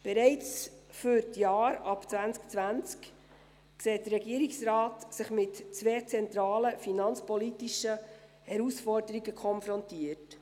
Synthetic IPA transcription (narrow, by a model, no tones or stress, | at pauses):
b̥ɛɾɛɪt͡sfʏɾtjɑːɾɑpt͡svænt͡skt͡svænt͡sk | kseːt̚d̥ərɾɛɡiəɾiksɾɑːtsɪχmɪtt͡sʋeːt͡sɛnt̪ɾɑːləfinɑnt͡spɔlitiʃə | hɛɾusfɔɾd̥əɾiɡəkʰɔnfɾɔntiət